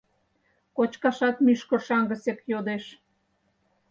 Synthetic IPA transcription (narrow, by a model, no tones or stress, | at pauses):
kot͡ɕkɑʃɑt̪myʃkə̆ʃɑŋɡə̆sekjod̪eʃ